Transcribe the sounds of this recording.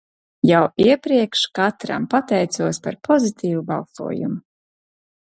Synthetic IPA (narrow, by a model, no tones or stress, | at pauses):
jawiɛpɾiɛkʃkat̪ɾa̰mpat̪ɛjt̪suɔspaɾpʰɔzit̪ʰiːvubalˠsṵɔjṵmu